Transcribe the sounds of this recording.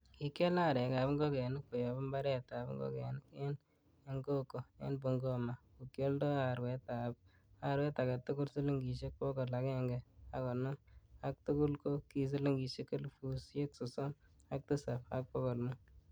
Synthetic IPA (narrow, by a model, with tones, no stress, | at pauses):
ki˦ke˦la˦˨ɾɛ˨ɡa˨bŋɡɔ˦kɛ˨nɪ˦k̚po˨jɔ˨bʊ˦mba˦ɾɛ˦ta˨bŋɡɔ̰˦kɛ˨nɪ˦ke˦n | e˦ŋɡo˦ko˨ḛ˦nbo˨ŋɡo˦ma˨ko˨kjo˦ldɔ˦a˨ɾwɛ˨˦ta˨p̚ | a˨ɾwɛ˦ta˨ɡa˨tʊ˦kʊ˦lsi˦li˦ŋɡi˨ʃe˦k̚pɔ˦ɡɔ˨la˨kɛ˦ŋɡɛ˨a˦kɔ˨nɔ˦ma˦k̚tʊ˦kʊ˦lko˦ki˨s̬i˦li˦ŋɡi˨ʃe˦kɪ˦lfu˨sje˦ksʊ˨so˦ma˦k̚tɨ˦sa˨pa̰˦k̚pɔ˦kɔ˨lmʊ˦